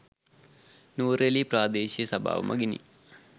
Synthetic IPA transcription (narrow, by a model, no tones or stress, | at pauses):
nuːɾelipraːd̪eːɕiɐsɐbʱa̰ːʋɐ̰mʔɐ̰ɡinḭ